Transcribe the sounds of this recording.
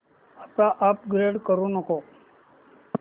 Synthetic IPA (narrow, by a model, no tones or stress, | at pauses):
apɽ̃aʔapɡɾeɽkəɾũnəko